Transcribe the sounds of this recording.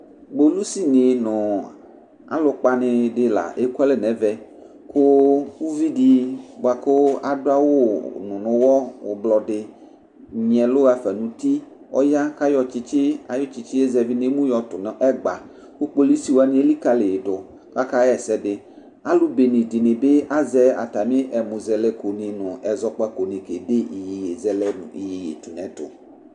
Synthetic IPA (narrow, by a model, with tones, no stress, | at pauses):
ɡ͡bo˨lu˦si˦nɪ˨nʊ̃˨ | a̰˨lʊ˨k͡pa˦nɪ˨dɪ˦la̰˨ʔe˦kɛ˦lɪ˨nɛ˨vɛ˦ | kʊ˦wu˦vi˦di˦ɡ͡ba˨kʊ˦a˨dʊ˦a˦wo˦˨nʊ̃˨nʊ̃˨wɔ˦wo̰˨blɔ˨ɖɪ˨ | ɲ˨ɛ̃˨lʊ˦ɣa˦fɛ˨nũ˨t̪i˦ | ɔ̰˦ja˦ka˦jɔ˨t͡ʃɪ˦t͡ʃɪ˦a˨jɔ˦t͡ʃɪ˨˦t͡ʃɪ˦je˦zɛ˨vi˦ne˦mũ˦jɔ˨tʊ˨n˨ʔɛ˦ɡ͡ba˨ | wo˦k͡po˦li˦si˨˦wo˨˦a˨nĩ˦e˦li˦ka˦le˨dʊ˨ | ka˦ka˦ɛ˨sɛ˦dɪ˨ | a˦lʊ˦be˨nĩ˨dɪ˨nɪ̃˨be˦a˦zɛ˦a̰˨ta˨mɪ̃˦ʔɛ˨mʊ̃˨zɛ˨lɛ˦ko˨nĩ˨nʊ̃˨ɛ˨zɔ˦k͡pa˦ko˨nĩ˨ke˨de˦i˨ji˨je˨zɛ˦lɛ˦n˨i˨ji˨jḛ˨tu˨nɛ̃˨tʊ̰˨